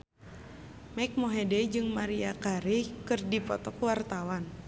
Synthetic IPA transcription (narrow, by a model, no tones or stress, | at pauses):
mak̚moɦɛdɛd͡ʒɨŋmaɾiakaɾikɨrdipɔt̪ɔkuwart̪awan